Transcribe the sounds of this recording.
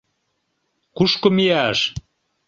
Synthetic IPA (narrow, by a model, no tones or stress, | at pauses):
kuʃkŏmiæʃ